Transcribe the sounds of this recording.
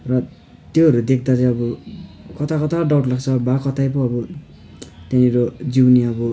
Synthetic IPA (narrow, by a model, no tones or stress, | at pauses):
rʌ | t̪joɦʌɾud̪ek̚ʰd̪at͡sʌ̃ʌbʌkʌt̪akʌt̪aɖawʈlaɡt͡sʰʌbakʌt̪ajpʌʌbʌ | t̪jãɾod͡ziwniʌbʌ